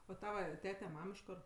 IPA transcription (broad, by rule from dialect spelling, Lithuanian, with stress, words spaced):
oː ˈtɑːʋɐ ˈtʲæːtʲɛ ˈmɐm ɪʃ ˈkoːr